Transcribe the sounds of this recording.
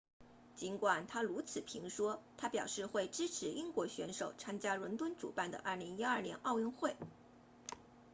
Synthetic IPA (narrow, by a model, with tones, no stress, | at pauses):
t͡ɕi˧˥nkwa˨˩nt̪ʰa˥lu˧˥t͡sʰɹ̩˨˩pʰi˧˥ŋʂwɔ˥t̪ʰa˥pjɑ˨˩ʊʂɻ̩˥˧xwe˥˩ɪʈ͡ʂɻ̩˥ʈ͡ʂʰɻ̩˧˥ʔi˥ŋkwɔ˧˥ɕɥɛ˧˥nʂo˨˩ʊt͡sʰa˥nt͡ɕja˥ɻwə˧˥nt̪wə˥nʈ͡ʂṵ˨˩pa˥˩nd̪ə̰˩ʔɐ˥˩li˧˥ŋi˥ɐ˞˥˩njɛ˧˥nʔɑ˥˧ʊy˥˧ŋxwe˥˩ɪ